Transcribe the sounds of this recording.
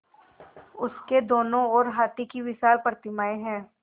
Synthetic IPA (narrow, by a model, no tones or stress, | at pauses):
ʊsked̪oːnõɔːɾɦaːt̪ikiʋɪʃaːlpɾət̪ɪmaːeɦɛ̃ː